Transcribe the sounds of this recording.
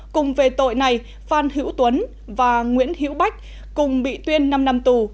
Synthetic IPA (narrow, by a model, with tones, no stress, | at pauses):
kʊ˨˩ŋ͡mve˨˩t̪o̰˧˨jna˨˩j | faː˧˩nhɨ̰˧˥əwt̪wə˨˦n | vaː˨˩ŋwḭ˧˥ənhḭ˧˥əwɓa˦˥jk̟̚ | kʊ˨˩ŋ͡mɓḭ˧˨t̪wi˧ənːa˧mna˧mt̪u˨˩